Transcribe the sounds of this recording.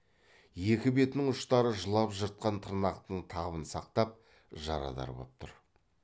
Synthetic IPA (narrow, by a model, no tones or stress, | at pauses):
je̞kʲɪbe̞t̪nɪŋʊʃt̪ɑɾəʒəlˠɑpʒəɾt̪̚qɑnt̪ʰəɾnɑqt̪əɴt̪ʰɑʁəβənsɑq̚t̪ɑp̚ | ʒɑ̰ɾɑ̰d̪ɑ̰ɾbo̰p̚t̪ʰʊ̰ɾ